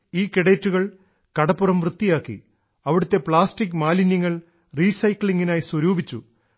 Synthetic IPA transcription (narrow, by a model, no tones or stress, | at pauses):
iːkiɽeːtːuɣɐɭ | kɐɽɐpːurɐmʋrɨt̪ːijaːkːḭ | ɐʋiɽut̪ːe̞pɭaːsʈikːmaːlinjɐŋːɐɭ | riːsɐjkɭiŋɡinaːjswɐɾuːbʱit͡ɕːu